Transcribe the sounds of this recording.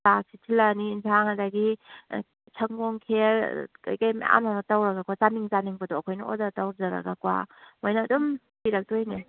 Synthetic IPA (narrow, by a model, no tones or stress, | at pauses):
asitʰilaniːntʰaŋɐdaɡi | t͡ʃʰɐŋɡoŋkʰelka̰jkajmḛa̰mnanatawɾɐɡakwat͡ʃaniŋzaniŋbɐdoɐkʰojnɐo̰datawɾzaɾɐ̰ɡakwa̰mojnɐːdum | piɾɐk̚dojni